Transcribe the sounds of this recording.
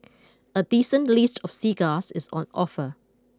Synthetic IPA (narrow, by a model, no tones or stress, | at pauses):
ədisə̃nlistʰɔfsiːɡasɪsɔ̰̃nɔfə